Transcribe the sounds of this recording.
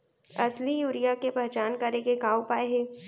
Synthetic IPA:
ɐslijuːɾijakepɛɦt͡ʃaːnkɐɾẽɡeɡaːopaːeɦɛ̃ː

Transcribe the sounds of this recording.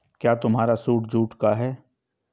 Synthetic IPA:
kjaːt̪ʊmɦaːɾasuːʈd͡ʒʱuːʈkaɦɛː

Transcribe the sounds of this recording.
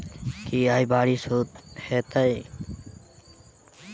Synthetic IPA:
kiːaːjbaːɾiːsoːt̪̚heːt̪əj

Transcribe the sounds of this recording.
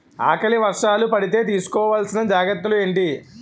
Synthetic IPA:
a̰ːkɐɭiʋɐɾʂaːlupɐɽit̪̬e̞ːt̪̬iːsu̥kɔːʋaːlsinɐd͡ʒaːɡɐt̪ːulue̞ːɳʈi

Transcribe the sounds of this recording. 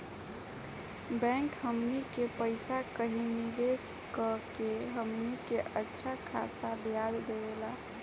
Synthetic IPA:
bɛ̃ŋkɦəmnikepəɪsakəɦiniʋes | kəkeɦəmnikeʔətːʃʰakʰa̰sabjad͡ʒd̪eʋela

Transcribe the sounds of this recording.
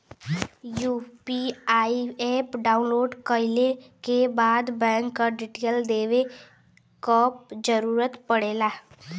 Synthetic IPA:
juːpiaːieːpɖaːʊnloːɖkəɪlekebaːd̪bɛ̃ːŋkːaɖɪʈeːld̪eːʋe | kɔːp̚d͡ʒəɾuːɾət̪pəɽeːlaː

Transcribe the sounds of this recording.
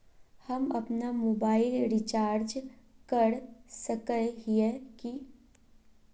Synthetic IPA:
hɐmɐpnamoːbaːɪlɾɪt͡ʃaːɾd͡ʒkəɽsəkəɦieki

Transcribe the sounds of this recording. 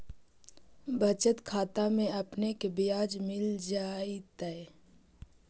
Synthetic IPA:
bʱət͡ʃət̪kʰaːt̪amẽɐpnekebɪjaːd͡ʒmɪld͡ʒaːit̪əe

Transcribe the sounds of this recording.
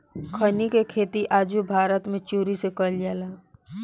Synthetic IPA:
kʰənikekʰeːt̪iʔaːd͡ʒubʱaːɾət̪mẽt͡ʃuːɾisekəljaːlaː

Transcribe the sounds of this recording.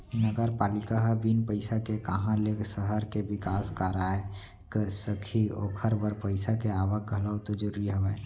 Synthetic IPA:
nəɡəɾpaːlɪkaɦbinpəɪsakekəɦãleksəɦəɾkeʋɪkaːskaːɾae | kəsəkʰioːkʰəɾbəɾpəɪsakeaːʋək̚ɡʱələwt̪od͡ʒʊɾiɦəʋa

